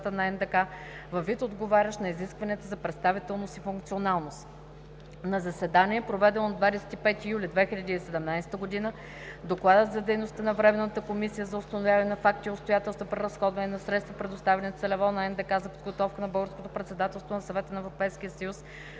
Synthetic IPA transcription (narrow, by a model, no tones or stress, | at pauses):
t̪ənɐɛnd̪ɛka | vɐvːit̪od̪ɡovaɾʲəʃnɐiziskvɐniət̪əzɐpɾɛt̪st̪avit̪ɛlˠnost̪ifuŋkt̪sionalˠnost̪ | nɐzɐsɛd̪aniɛpɾovɛd̪ɛnod̪d̪vad̪ɛsɛ̥t̪ipɛt̪ijulʲid̪vɛxiʎʲəd̪iːsɛd̪ɛmnajsɛ̥t̪əɡod̪inə | d̪oklˠad̪ət̪zɐd̪ɛjnost̪ənɐvɾɛmɛnːət̪əkomisijəzɐʊst̪ɐnovjavɐnɛnɐfakt̪iʊt̪st̪ojat̪ɛlˠst̪vopɾɛɾɐsxɔd̪vɐnɛnɐsɾɛt̪st̪vopɾɛd̪ost̪avɛnɛt̪sɐlɛvɔnɐɛnd̪ɛkazɐpod̪ɡot̪ɔfkənɐbɤɡəɾskot̪opɾɛt̪sɛd̪at̪ɛlˠst̪vonɐsɐvɛt̪ənɐɛvɾopɛjskʲijəsəjus